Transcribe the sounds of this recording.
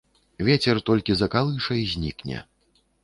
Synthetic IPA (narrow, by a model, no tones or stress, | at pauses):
vʲet͡sʲɛrt̪ɔlʲkʲizɐkalˠɨʂɐjzʲnʲḭknʲɛ̰